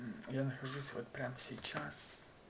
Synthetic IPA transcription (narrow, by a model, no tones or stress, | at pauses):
janɐxɐʒusʲvot̪pʲɾʲamsʲejt͡ʃas